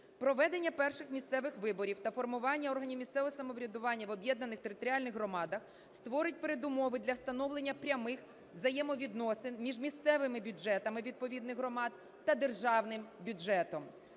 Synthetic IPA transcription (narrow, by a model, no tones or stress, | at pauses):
pɾɔʋɛd̪enʲːɐpɛrʃɪxmʲist̪sɛʋɪxʋɪbɔɾʲiwt̪ɐfɔrmʊʋɑnʲːɐɔrɦɐnʲimʲist̪sɛʋɔɔsɐmɔʋɾʲɐd̪ʊʋɑnʲːɐʋɔbʲjɛd̪nɐnɪxt̪eɾɪt̪ɔɾʲiɑlʲnɪɣɦrɔmɑd̪ɐx | st̪ʋɔɾɪt̚ʲpeɾed̪ʊmɔʋɪd̪lʲɐwst̪ɐnɔwlˠenʲːɐpɾʲɐmɪx | zɐjɛmɔʋʲid̪nɔsɪnmʲiʒmʲist̪sɛʋɪmɪbʲud͡ʒɛt̪ɐmɪʋʲid̪̚pɔʋʲid̪nɪɣɦrɔmɑd̪̚ | t̪ɐd̪erʒɑwnɪmbʲud͡ʒɛt̪ɔm